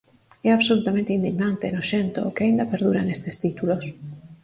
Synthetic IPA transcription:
ɛaβsolut̪amẽnt̪eind̪iɣnãnt̪enoʃent̪o̰keaind̪apeɾð̞uɾanest̪est̪it̪ulos

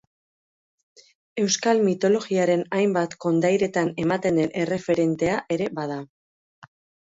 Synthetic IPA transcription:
e̞wskalmit̪o̞lo̞ɣiaɾe̞najmbat̪ko̞nd̪ajɾe̞t̪ane̞mat̪e̞nd̪e̞nʔe̞re̞fe̞ɾe̞nt̪e̞aʔe̞ɾe̞bað̞a

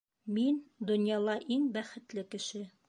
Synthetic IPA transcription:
mind̪ŏnjɑlˠɑʔiŋbæχɘ̆t̪lɘkɘ̆ʃɘ

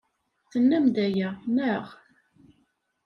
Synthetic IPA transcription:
θənːæmd̪æjæməʁ

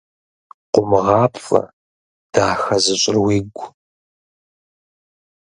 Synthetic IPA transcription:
qʷʊmʁɑːpfʼɐ̰ | d̥aːxɐzɨɕʼɪrwiːɡʷ

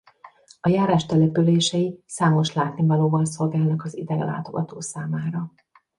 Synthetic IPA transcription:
ɒjaːɾaːʃt̪ɛlɛpyleːʃɛisaːmo̞ʃlaːt̪nivɒloːvɒns̬o̞lɡaːlnɒkɒzḭd̪ɛɡɛla̰ːt̪o̞ɡɒt̪oːsaːmaːɾɒ

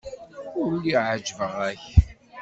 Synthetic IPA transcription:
ʊɾlːiʕəd͡ʒvəʁæç

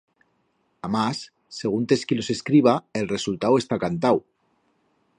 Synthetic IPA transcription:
amasː | e̞ɣ̞unt̪eskilo̞se̞skɾiβ̞ae̞lre̞sult̪awe̞st̪akant̪aw

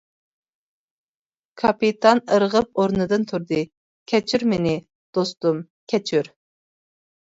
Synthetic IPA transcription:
kʰɑpit̪ʰɑnəɾʁəp̚oɾnɨd̪ɨnt̪ʰuɾd̪ɨ | kʲʰɛt͡ʃʰyɾmɪnɪ | d̪̥ost̪um | kʲʰɛt͡ʃʰyɾ

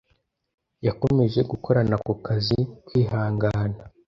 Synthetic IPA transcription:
jako̞me̞ʒe̞ɡukʰo̞ɾanakukazikwiːhaːŋɡaːna

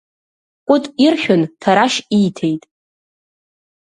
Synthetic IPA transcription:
kʷʼʊtʼirχʲᶣʊntʰaɾaʃijtʰe̞jtʼ

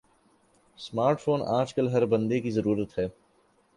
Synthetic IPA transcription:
smaːɾʈfʰoːnaːd͡ʒkəlɦɐɾbɐ̃nd̪ekizɐɾuːɾət̪ɦɛː

